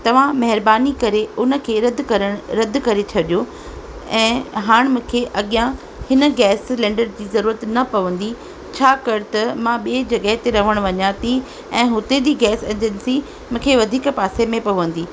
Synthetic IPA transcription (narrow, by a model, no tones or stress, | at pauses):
t̪ɐʋ̤ãmɐɦɪɾbaːnikɐɾeʊnə̆kʰeːɾɐd̪ʱkɐɾəɽ̃ɾɐd̪ʱkɐɾet͡ɕʰɐɗijo | ɛ̃ːɦaːɽ̃mũːkʰeʔɐɠijã | hɪnə̆ɡɛːslɛ̃ːɳɖəɾd͡ʑiːzɐɾuːɾət̪nɐpɐʋə̃nd̪i | t͡ɕʰaːkɐɾt̪ɐmãɓied͡ʑɐɡəɦɪt̪eɾɐʋ̤əɽ̃ʋɐɲãːt̪ʰi | ɛ̃ːɦʊt̪ed͡ʑiːɡɛːseːd͡ʑənsi | mũːkʰeːʋɐd̪ʱiːkpaːsemẽpɐʋə̃nd̪iː